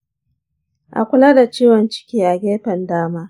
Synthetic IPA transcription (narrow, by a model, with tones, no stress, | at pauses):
ʔa̰˨kʷʊ˦laː˦da˨t͡ʃiː˦wɔ˨nt͡ʃɪ̥˦kʲiː˦ʔa˨ɡʲeː˦ɸɐ˨ndaː˦maː˦